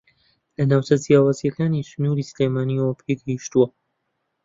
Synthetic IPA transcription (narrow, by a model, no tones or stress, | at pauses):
lɐnaːwt͡ʃɐzjaːwaːzjɐkaːnisnuːɾiːsleːmaːniowɐbeɡiʃt̪uwɐ